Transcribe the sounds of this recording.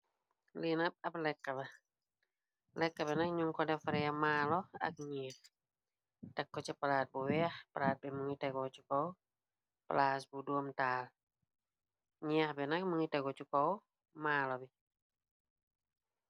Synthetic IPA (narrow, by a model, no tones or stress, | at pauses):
linɐp̚ɐplɛkːabɐ | lɛkːabɛnak̚ɲuŋkɔdɛfaɾjamaːlɔa̰k̚ɲiːt | takːɔt͡ʃɛpalaːt̚buwɛahpalaːt̚bɛmuŋitaɡɔt͡ʃukɔw | pa̰laːsbudoːmtaːl | ɲiahbɛnak̚muŋitaɡɔt͡ʃukɔw | maːlɔbi